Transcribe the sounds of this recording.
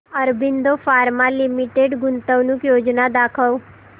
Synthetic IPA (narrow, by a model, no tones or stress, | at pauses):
əɾbind̪ofaːɾmalimiʈeɖɡʊnt̪əʋnukjoːd͡ʒnad̪aːkʰəw